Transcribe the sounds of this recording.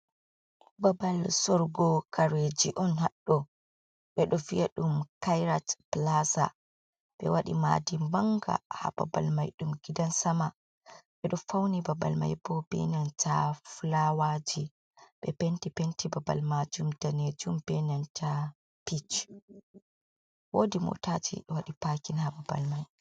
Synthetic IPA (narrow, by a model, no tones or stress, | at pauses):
babalsɔɾɡɔkʰaɾed͡ʒiʔɔnɦaɗːɔ | ɓɛɗɔvijaɗumkajɾatplasa̰ | ɓɛ̰waɗima̰dimbaŋɡa̰ha̰b̥a̰ba̰lmajɗumɡ̥idansama | ɓɛɗɔfawnibaba̰lma̰jbɔbḛniantʰaflawad͡ʒi | ɓɛpentipentibaba̰lmad͡ʒumd̥aned͡ʒumbenantʰa | pit͡ʃ | wodimṵtatʰḭwaɗipakinhababa̰lmaj